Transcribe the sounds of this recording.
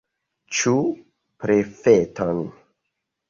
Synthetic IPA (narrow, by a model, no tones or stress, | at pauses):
t͡ʃu | pɾefeton